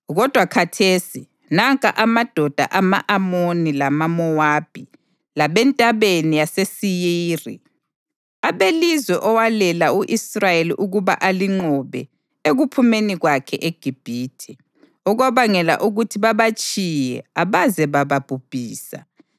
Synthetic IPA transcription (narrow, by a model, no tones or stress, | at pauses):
ɣɔd̥ʱwakʰatʰesi | naŋkʼaʔamad̥ʱɔd̥ʱa̰ʔama̰ʔamonilamamɔwab̥ʱi | laβɛntʼaβenijasesijiːrḭ | aβelizwɛʔɔwalɛlauʔisrajelḭʔuɣuβa̰ʔaliŋ͡ǃɔβɛ | eɣupʰumeniɣwakʰɛʔeɡ̥ʱib̥ʱiːtʰi | ɔɣɔβaŋɛla̰ʔuɣutʰiβaβat͡ʃʼijɛ̰aβazɛβaβab̥ʱub̥ʱiːsa̰